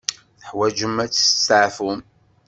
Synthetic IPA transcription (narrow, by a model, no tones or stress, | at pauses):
θəħwæd͡ʒəmæt͡sːə̥ssʕfum